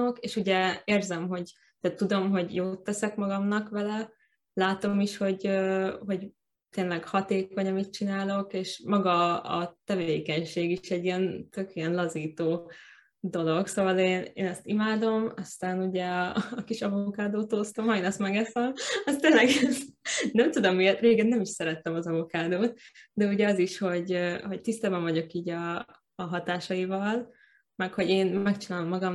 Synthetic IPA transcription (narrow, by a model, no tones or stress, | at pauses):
okeːʃuɟɛeːrzɛmɦo̞ɟ | t̪ɛt̪ːud̪o̞mɦo̞ɟjoːt̪ːɛsɛkmɒɡɒmnɒkʋɛlɛ | laːt̪o̞miʃho̞ɟøːɦo̞ɟ | t̪eːnlɛɡhɒt̪eːko̞ɲɒmit̪̚t͡ʃinaːlo̞keːʃmɒɡɒ̰ːt̪ɛveːkɛɲʃeːɡiʃɛɟːijɛnt̪økijɛnlɒziːt̪oː | d̪o̞lo̞ɡsoːvɒleːnḛːnɛst̪imaːd̪o̞mɒst̪aːnuɟɛːkiʃɒvokaːd̪oːt̪oːst̪omɦɒjnɛsmɛɡɛsɛmɒst̪eːnlɛɡɛznɛmt̪ud̪omːijɛt̪reːɡɛnːɛmiʃsɛɾɛt̪ːɛmɒzɒvokaːd̪oːt̪̚d̪ɛuɟɛɒziʃho̞ɟho̞ct̪ist̪aːbɛɱvɒɟo̞kiːɟɒː | ɦɒt̪aːʃɒivɒl | mɛkho̞ɟeːnɛkt͡ʃinaːlo̞mːɒɡɒm